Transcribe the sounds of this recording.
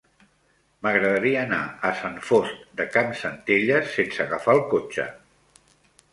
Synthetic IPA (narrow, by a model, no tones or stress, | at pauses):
məɣɾəðəɾiəːnaəsaɱfost̪̚d̪əkamsənt̪eʎəsensəɣafalˠkot͡ʃə̰